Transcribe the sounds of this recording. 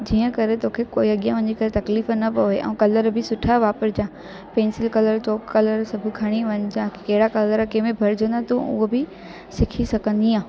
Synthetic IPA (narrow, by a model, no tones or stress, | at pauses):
d͡ʑiːə̃kɐɾet̪oːkʰekoːiɐɠijãʋɐ̃ɲd͡ʑikɐɾet̪ɐkliːfnɐpɐeʔɛ̰̃ːkɐləɾbɪsʊʈʰaʋaːpəɾd͡ʑãː | peːnsɪlkɐləɾt͡ɕoːkːɐləɾsɐbʱʊkʰɐɽ̃iʋɐ̃ɲd͡ʑãːkɐɦɪɽakɐləɾkemẽbʱɐɾd͡ʑʱõnd̪at̪ũʔʊ̰ɦobɪ | sɪkʰisɐɡʱə̃nd̪iãː